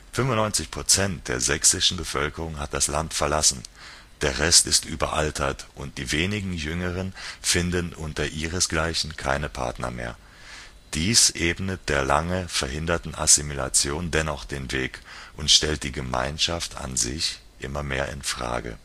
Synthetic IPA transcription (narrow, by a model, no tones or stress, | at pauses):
fʏmvʊnːɔʏnt͡sɪçpʁ̥ot͡sɛnt̚d̥eːɐzɛksɪʃn̩bəfœlkəʁ̞ʊŋhat̚d̥aslantfɛɐlasn̩ | d̥eːɐʁɛstɪstʔyːbɐ̰ʔaltʰɐtʔʊnt̚d̥iːveːnɪɡŋ̩jʏŋəʁ̞ənfɪndənʔʊntɐʔiːʁ̞əsɡ̥laɪçn̩kʰaɪnəpʰa̰ɐtnɐ̰mḛːɐ | d̥iːsʔeːbnət̚d̥eːɐlaŋəfɛɐɦɪndɐtn̩a̰simila̰t͡sjoːndɛnɔχd̥eːnveːkʔʊntʃtɛlt̚d̥iːɡəma̰ɪnʃaftʰa̰nzɪ̰ç | ʔɪmɐmeːɐʔɪ̰nfʁ̥a̰ːɡə̰